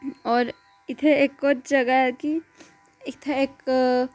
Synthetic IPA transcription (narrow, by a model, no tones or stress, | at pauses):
ɔːɾ | ɪt̪ʰeekːoɾd͡ʒɐɡaki | ek̚t̪ʰaeːk